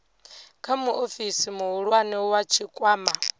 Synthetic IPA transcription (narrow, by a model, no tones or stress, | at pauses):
kʰamuʔofisimuɦuɺwanɛwat͡ʃʰikʼwaːma